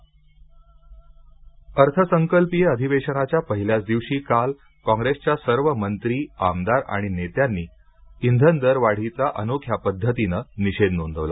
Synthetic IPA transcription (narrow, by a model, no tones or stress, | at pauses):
əɾt̪ʰəsəŋkəlpijəd̪ʱiʋeɕəɽ̃at͡ɕjapəɦiljat͡sd̪iʋɕiːkal | kɔ̃ŋɡɾest͡ɕjasəɾʋəmənt̪ɾiːamd̪aɾa̰ɽ̃inet̪janːiː | ind̪ʱənd̪əɾʋaɽ̤it͡saʔənokʰjapəd̪ʱːət̪inəniɕed̪nond̪ʱəʋla̰